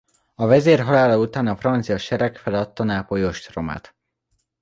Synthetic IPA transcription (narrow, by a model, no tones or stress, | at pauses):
ɒvɛzeːrɦɒlaːlɒut̪aːnɒfrɒnt̪sijɒʃɛɾɛkfɛlɒt̪ːɒnaːpojoʃt̪ro̞ma̰ːt̪